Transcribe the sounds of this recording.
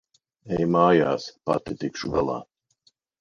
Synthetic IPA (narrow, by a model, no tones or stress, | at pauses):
ɛjmaːjaːspa̰t̪it̪ikʃuɡalˠɑ̰ː